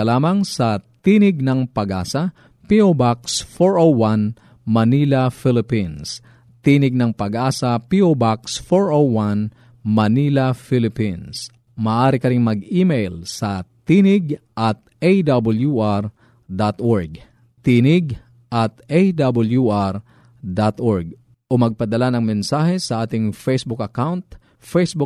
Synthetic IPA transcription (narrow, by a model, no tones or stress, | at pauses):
ɐlaːmɐŋsɐt̪iːnɪɡ̚nɐŋpɐɡʔa̰ːsɐ | piobaksfoɹʔowwan | mɐniːlɐfɪlɪpins | t̪iːnɪɡ̚nɐŋpɐɡʔaːsɐpiʔobaksfoɹʔowwan | mɐniːlɐfɪlɪpins | mɐːʔaːɾɪkɐɾɪŋmɐɡiːmejlsɐt̪iːnɪɡʔɐt̪̚ʔed̪abljuʔaɾ | d̪at̪ʔoɹɡ | t̪iːnɪɡ | ʔɐt̪̚ʔejd̪bɐljuʔaɾ | d̪at̪ʔoɹɡ̚ | ʔomɐɡ̚pɐd̪ɐlanɐŋmɛnsaːhɛsɐʔaːt̪ɪŋfejsbʊkɐkawnt̪ | fejsbʊ